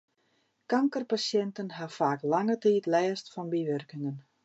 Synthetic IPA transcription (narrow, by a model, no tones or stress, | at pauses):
kaŋkərpasjɛntənɦafaːklaŋətiːtlɛːstfɔnbiʋørkɪŋən